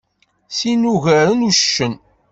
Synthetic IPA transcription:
sinuʝæɾənuʃə̥ʃːən

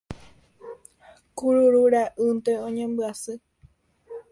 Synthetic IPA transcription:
kuɾuɾuɾaʔɨnt̪eõɲẽmbɨasɨ

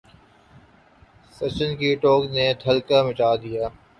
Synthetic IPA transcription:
sɐt͡ʃənkiʈoːknet̪ʰɐlkamɪt͡ʃaːd̪ijaː

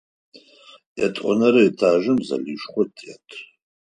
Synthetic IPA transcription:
jatʼonaɾajtʰaːʒɨmza̰liʂχʷʊtʰʼjatʼʰ

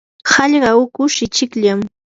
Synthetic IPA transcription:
hɑʎɢɑʊkʊʃɪt͡ʃɪkʎam

